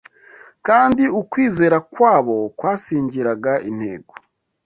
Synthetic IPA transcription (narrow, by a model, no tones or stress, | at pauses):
kaːndiukwiːze̞ːɾakwaːβo̞kwaːsiːɲɟiɾaɡaʔin̥hḛːɡo̥